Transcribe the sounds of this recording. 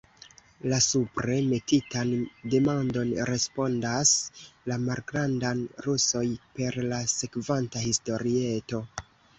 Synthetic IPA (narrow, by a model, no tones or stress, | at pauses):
lasupɾe̞me̞titande̞mando̞nɾe̞spo̞ndaslamalɡɾandanɾuso̞jpe̞ɾlase̞kvantahisto̞ɾie̞to̞